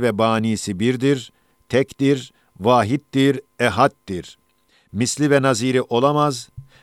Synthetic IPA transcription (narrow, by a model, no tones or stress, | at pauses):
vɛbaːniːsibiɾd̪iɾ | t̪ʰɛct̪iɾ | vaːɦit̪d̪iɾɛɦat̪d̪iɾ̥ | mislʲivɛnaziːɾiʔo̞lˠamaz